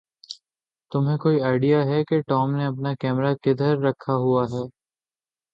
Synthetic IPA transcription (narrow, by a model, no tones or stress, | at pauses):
t̪ʊmɦẽkoːiaːɪɖijaɦɛkeʈɔːmneɐp̬nakɛːmɾakɪd̪ʱəɾːɐkʰːaɦuaɦɛː